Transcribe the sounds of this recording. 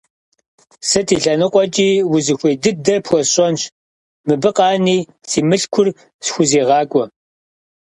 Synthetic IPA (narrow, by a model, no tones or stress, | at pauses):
sɐtʰiːɬɐnɨqʷʼɔt͡ʃʼiːwʊzɨxʷeːdɨdɐpʰxʷɔɕʼɐnɕ | mɨbɨqɑːniː | siːmɨɬkʷʰʊr | sxʷʊzeːʁɑːkʷʼɔ